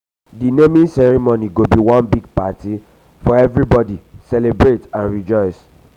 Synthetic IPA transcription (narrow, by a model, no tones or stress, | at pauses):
dinemĩnsɛɹimoniɡobiwɔ̃nbiɡ̚pati | fɔɛvɹibɔdisɛlebɹetãnɹid͡ʒɔɪs